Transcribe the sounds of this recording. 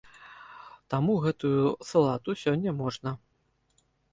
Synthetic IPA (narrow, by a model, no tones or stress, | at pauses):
t̪amuɣɛt̪ujusɐlˠat̪usʲɔnʲːɐmɔʐnɐ